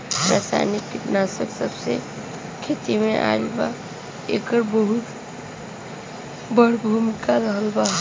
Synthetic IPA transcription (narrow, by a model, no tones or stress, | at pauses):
ɾa̰ːsa̰nikːɪtnasəksəbse | kʰeːt̪imẽʔa̰ːlba̰ | ḛːkəɾbəɦʊt̪ | bəɽ̤bʱumɪkaɾəɦəlbaɦ